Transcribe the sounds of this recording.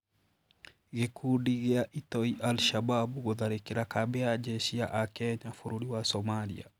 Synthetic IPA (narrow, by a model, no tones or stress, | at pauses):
ɡekʰudiɡeaʔitɔiʔalʃababuɣoðaɾekeɾakabɛad͡ʒeʃiaʔakɛɲafuɾuɾiwasɔmalḭa̰